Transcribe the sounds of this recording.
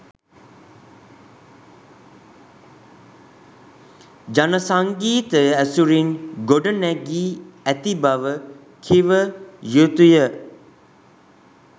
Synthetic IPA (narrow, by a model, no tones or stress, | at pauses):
d͡ʒanəsaŋɡiːt̪əəæsuɾinɡoɖənɛɡiːæt̪ibaʋə | kʰiʋəjut̪ujə